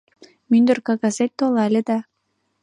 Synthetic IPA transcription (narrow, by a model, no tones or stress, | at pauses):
mynd̪ə̆rkɑɣɑzet̪̚ʲt̪ːolɑlʲed̪ɑ